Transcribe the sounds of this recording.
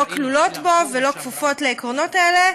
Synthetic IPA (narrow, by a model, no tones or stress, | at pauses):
oklulotbovelo̞kvufo̞tleːkʁono̞taele